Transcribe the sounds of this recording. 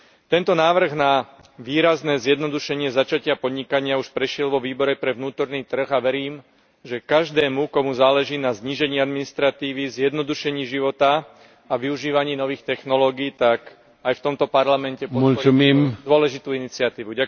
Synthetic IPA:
t̪ɛnt̪ɔnaːʋr̩ɣna | ʋiːɾaznɛːzjɛd̪nɔd̪uʃɛɲɪɛzat͡ʃacɪapɔd̪ɲikaɲɪauʃpɾɛʃɪɛlʋɔʋiːbɔɾɛpɾɛʋnuːt̪ɔɾniːt̪r̩ɣaʋɛɾiːm | ʒɛkaʒd̪ɛːmukɔmuzaːlɛʒiːnazɲiːʒɛɲiːad̪minist̪ɾat̪iːʋizjɛd̪nɔd̪uʃɛɲiːʒiʋɔt̪a | aʋiuʒiːʋaɲiːnɔʋiːxt̪ɛxnɔlɔːɡiːt̪ak | ajft̪ɔmt̪ɔpaɾlamɛncɛpɔmulumiːmd̪ɔlɛʒit̪uːinit͡sɪat̪iːʋuɟa

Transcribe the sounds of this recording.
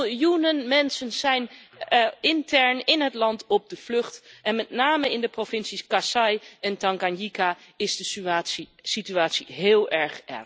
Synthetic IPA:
junənmɛnsənzɛjn | ɪntɛɹnɪnɦətlɑntɔb̚dəv̥lɵχtɛnmɛtnaːməɪndəprovɪnsiskasɑjɛntɑŋɡanjikaɪzdəsyaːsisityaːtsiɦɪːlˠʔɛɹχʔɛ̰ɹ

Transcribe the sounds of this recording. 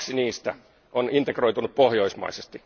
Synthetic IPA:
siniːst̪æ | onint̪ekroit̪unuppohjoismɑ̰isest̪i

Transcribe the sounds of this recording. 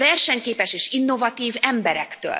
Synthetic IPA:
vɛrʃɛɲkeːpɛʃeːʃinːo̞vɒt̪iːvɛmbɛɾɛkt̪ø̰ːl

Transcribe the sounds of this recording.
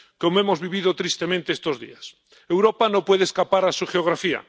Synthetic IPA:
ko̞moe̞mo̞zβiβ̞ið̞ot̪ɾist̪e̞mẽnt̪eest̪o̞zðḭas | e̞wɾopanopwe̞ð̞eskapaɾasuxeoɣ̞ɾafia̰

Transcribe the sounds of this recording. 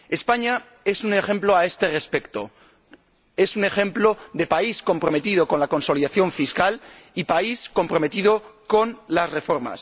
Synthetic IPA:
e̞spaɲa | e̞sune̞xe̞mplo̞ae̞st̪e̞re̞spe̞kt̪o̰ | e̞sune̞xẽ̞mploðe̞paisko̞mpɾo̞me̞t̪ið̞oko̞nlako̞nso̞liðaθjo̞ɱfiskalipaisko̞mpɾo̞me̞t̪iðo̞ko̞nlasre̞fo̞ɾma̰s

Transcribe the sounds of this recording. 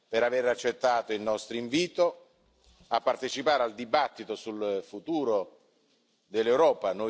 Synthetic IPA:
peɾaveɾat͡ʃːet̪ːaːt̪oilnɔst̪ɾoiɱviːt̪o | apːart̪et͡ʃipaːɾeald̪ibat̪ːit̪osulfut̪uːɾo | d̪elːewɾɔːpano

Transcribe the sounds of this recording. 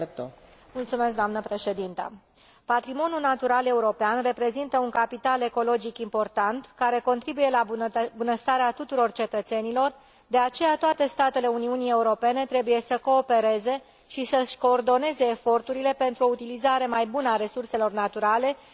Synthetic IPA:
t̪omult̪sume̞sk̚d̪oamnəpɾe̞ʃe̞d̪int̪ə̰ | pat̪ɾimo̞nulnat̪uɾale̞uɾo̞peanre̞pɾe̞zint̪əuŋkapit̪ale̞ko̞lo̞d͡ʒikimpo̞rt̪ant̪kaɾe̞ko̞nt̪ɾibuje̞labunəst̪aɾeat̪ut̪uɾo̞rt͡ʃe̞t̪ət̪se̞nilo̞r | d̪e̞at͡ʃe̞jat̪oat̪e̞st̪at̪e̞le̞uniunie̞uɾo̞pe̞ne̞t̪ɾe̞buje̞səko̞ːpe̞ɾe̞ze̞ | ʃisəʃko̞ːrd̪o̞ne̞ze̞ːfo̞rt̪uɾile̞pe̞nt̪ɾuo̞ut̪ilizaɾe̞majbunəaɾe̞surse̞lo̞rnat̪uɾale̞

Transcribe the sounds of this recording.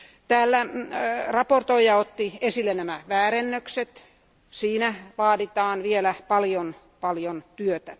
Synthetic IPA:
t̪æːlːærɑport̪oijɑot̪ːiesilːenæmæʋæːɾenːøkset̪ | siːnæʋɑːdit̪ɑːnʋielæpɑljon | pɑljont̪yøt̪æ

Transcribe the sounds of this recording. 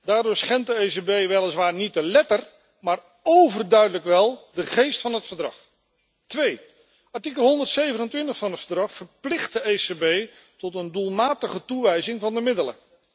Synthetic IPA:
daːɹdʊɹsχɛntdəejsebejʋɛlˠəsʋaːɹnit̚əlɛtər | maːr | owvərdœɥdələkʋɛlˠdəχejstfɑnɦətfəɹdrɑ̰χ | tʋej | ʔɑɹtikəlˠɦɔndəɹtsejvənəntʋɪntəχfɑnɦətfəɹdrɑχfəɹplɪχt̚dəejsebej | tɔtəndulˠmaːtəχətuʋɛjzɪŋvɑndəmɪdələ̰

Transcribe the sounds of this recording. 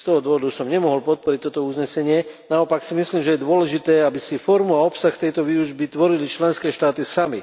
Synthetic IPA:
st̪ɔɦɔd̪ʋɔʋɔd̪usɔmɲɛmɔɦɔlpɔt̪̚pɔɾic̚t̪ɔt̪ɔuzɲɛsɛɲɪɛnaɔpaksimisliːmʒɛjɛd̪ʊɔlɛʒit̪ɛːabisifɔɾmuaɔpsaxt̪ɛjt̪ɔʋiuʒbit̪ʋɔɾilit͡ʃlɛnskɛːʃt̪aːt̪isami

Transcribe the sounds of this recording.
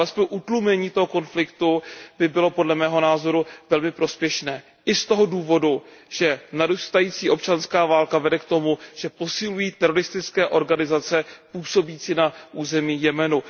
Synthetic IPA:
alɛspojʔut̪lumɛɲiːt̪o̞ɦo̞ko̞nflɪkt̪ubɪbɪlo̞po̞dlɛmɛːɦo̞naːzo̞ɾuvɛlmɪpɾo̞spjɛʃnɛː | ʔɪst̪o̞ɦo̞duːvo̞duʒ̥ɛnadust̪ajiːt͡siːʔo̞p̚t͡ʃanskaːvaːlkavɛdɛkt̪o̞muʒ̥ɛpo̞sɪlujiːt̪ɛɾoɾɪst̪ɪt͡skɛːʔo̞ɾɡanɪzat͡sɛpuːso̞biːt͡siːnaʔuːzɛmiːjɛmɛnu

